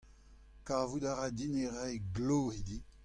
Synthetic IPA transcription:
kavudaʁad̪ineʁɛjɡlohid̪i

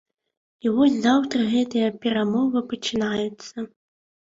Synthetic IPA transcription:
ivɔsʲzawt̪ɾɐɣɛt̪ɨjɐpʲɛɾamɔvɨpɐt͡ʃɨnajut̪sːɐ

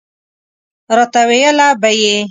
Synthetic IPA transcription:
ɾɔt̪awejalabaje

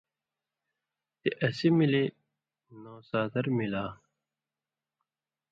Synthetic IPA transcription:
t̪iʔɐsimili | noːsaːt̪ɐɾmilaː

